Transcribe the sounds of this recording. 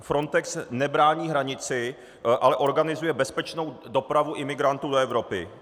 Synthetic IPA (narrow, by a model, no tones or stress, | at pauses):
fɾo̞nt̪ɛksnɛbɾaːɲiːɦɾaɲɪt͡sɪ | ʔalɛʔo̞ɾɡanɪzujɛbɛspɛt͡ʃno̞wdo̞pɾavuʔɪmɪɡɾant̪uːdo̞ɛvɾo̞pɪ̰